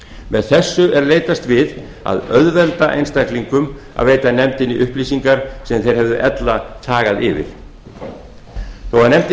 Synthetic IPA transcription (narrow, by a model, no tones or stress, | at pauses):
mɛðθɛsːʏʔɛɾleːjt̪ast̪vɪð | a̰ðœðvɛlt̪aʔḛjnst̪akliŋkʏm | a̰ðveːjt̪anɛmt̪ɪniʔʏhplisiŋkaɾ̥sɛmθejɾ̥hɛvðʏʔɛt̪lat̪ʰaːɣaðɪ̰vɪ̰ɾ̥ | θowaðnɛmt̪ɪ